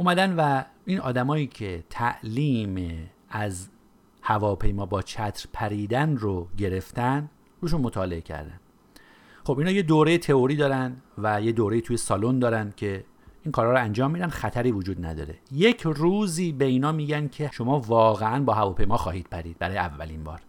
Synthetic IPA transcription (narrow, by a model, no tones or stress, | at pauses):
ʔumæd̪ænvæinʔɒ̰ːd̪æmɒːjiːcʰe̞t̪ʰæʔliːme | æz | hævɒːpʰe̞jmɒːbɒːt͡ʃʰæt̪ʰɾpʰæɾiːd̪ænɾoɟe̞ɾe̞ft̪æn | ɾuːeʃ̬uːnmo̞t̪ʰɒːle̞ecʰæ̰ɾd̪æ̰n | χobinɒːje̞d̪oːɾe̞jet̪ʰe̞oɾiːd̪ɒːɾænd̪væjed̪oːɾe̞jiːt̪ʰuːje̞sɒlo̞nd̪ɒːɾænd̪̥̚cʰe̞ | ʔinkʰɒːɾhɒːɾoænd͡ʒɒːmːiːd̪ænd̪xæt̪ʰæɾiːvod͡ʒuːd̪næ̰d̪ɒ̰ːɾe̞̰je̞cʰruːziːbeiːnɒːmiːɟænd̪̥kʰe̞ʃo̞mɒːvɒːɣeænbɒːɦævɒːpʰe̞jmɒːxɒːhiːd̪̥̚pʰæɾiːd̪̚bæɾɒːjeævːæ̰linbɒ̰ːɾ